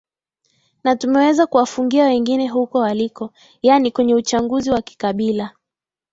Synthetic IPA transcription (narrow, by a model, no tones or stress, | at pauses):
natumɛwɛzakuwafuŋɡiawɛŋɡinɛɦukɔwalikɔ | janikwɛɲɛut͡ʃaŋɡuziwaki̥kaɓila